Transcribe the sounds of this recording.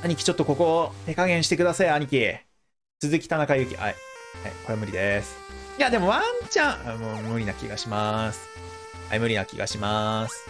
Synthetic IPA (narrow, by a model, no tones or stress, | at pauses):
aɲ̟ikʲi̥t͡ɕo̞t̪ːo̞ko̞ko̞t̪e̞kaɡẽ̞ɰ̃ɕi̥t̪e̞kɯ̟d̪asaiaɲ̟ikʲi | t͡sɨzɨkʲi̥t̪anakajɯ̟ːkʲḭʔaihaiko̞ɾemɯ̟ɾʲid̪esɨ̥jad̪e̞mo̞βaɲt͡ɕãamomɯ̟ɾʲinakʲḭɡaɕimasɨ̥ | ha̰imɯ̟ɾʲinakʲḭɡa̰ɕimasɨ̥